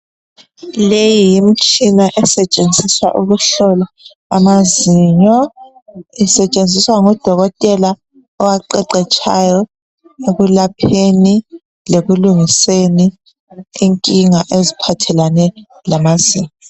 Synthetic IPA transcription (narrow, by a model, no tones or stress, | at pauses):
lejijim̩t͡ʃʼinaʔɛsɛt͡ʃʼend͡zʱiswa̰ʔuɣuɬɔlɔ | a̰maziɲɔ | isɛt͡ʃʼend͡zʱiswaŋɔd̥ʱɔɣɔtʼɛla | ɔwaǃɛǃɛt͡ʃʰʼajɔ | eɣulapʰeni | leɣuluŋiseni | eŋkʼiŋaʔezipʰatʰɛlanɛ | lamaziːɲɔɔ